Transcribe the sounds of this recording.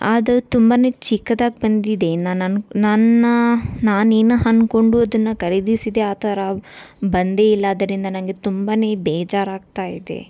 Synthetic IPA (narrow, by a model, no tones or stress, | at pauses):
aːd̪ɐt̪umbaːne̞ːt͡ʃikːɐd̪aːɡ̚bɐnd̪id̪e̞nanɐnnɐnːɐnaːneːnɐɦɐnko̞ɳɖuɐd̪ɐnːɐkɐɾid̪isid̪e̞aːt̪ʰɐɾabɐnd̪e̞ːilːɐːd̪ɐɾind̪ɐnɐnɡe̞t̪umbaːne̞ːbɛːd͡ʒaːɾaːɡ̚t̪aːjid̪e̞̰